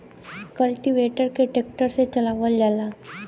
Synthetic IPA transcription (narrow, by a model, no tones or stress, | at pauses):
kəlʈiʋeːʈəɾkeʈek̚ʈəɾset͡ʃəlaːʋəld͡ʒaːlaː